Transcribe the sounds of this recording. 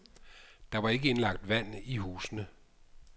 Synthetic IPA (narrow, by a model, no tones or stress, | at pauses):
d̥ɑ̈ʋɑ̈e̝ɡ̥əe̝nlɑ̈ɡ̥̚d̥ʋæn̰ihṵːsənə